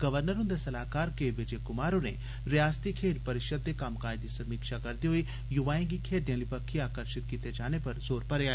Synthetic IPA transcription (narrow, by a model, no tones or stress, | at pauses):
ɡɐʋəɾnəɾʊ̃nd̪esɐlaːkaːɾkeːʋɪd͡ʒekʊmaːɾõnḛ | ɾɪjaːst̪ikʰeːɖpɐɾɪʃəd̪ːekaːmkaːjd̪isɐmiːkʃakɐɾd̪iɦoi | jʊʋaːẽɡikʰeːɖijãːlipɐkʰːiaːkəɾʃɪt̪kiːt̪ed͡ʒaːnepɐɾzoːɾpɐɾeaːe